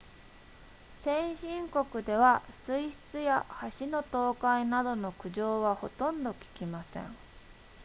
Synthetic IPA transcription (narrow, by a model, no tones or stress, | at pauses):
sẽ̞ɰ̃ɕĩŋko̞kɯ̟d̪e̞βasɨiɕi̥t͡sɨja̰haɕino̞t̪o̞ːkainad̪o̞no̞kɯ̟ʑo̞ːβaho̞̰t̪õ̞nd̪o̞kʲi̥kʲimasḛ̃ŋ